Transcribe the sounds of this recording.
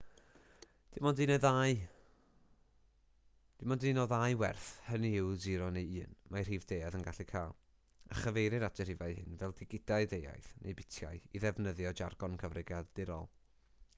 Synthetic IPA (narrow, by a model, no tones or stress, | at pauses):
d̥ɪmɔndinɛðaj | d̥ɪmɔndiːnɔðajwɛ̰rθhəniɪwziɾɔnejɨːnmar̥iːvd̥ejaðənɡaɬikʰaːlˠ | a̰χəvejɾɨɾatɛr̥ivajhɪ̰nvɛlˠdɪɡɪd̥aɨðeja̰jθnʔḛjbɪtʰja̰ɨiðɛvnəðjɔd͡ʒarɡ̥ɔnkʰəvrɪɡjaðdɪɾɔ̰lˠ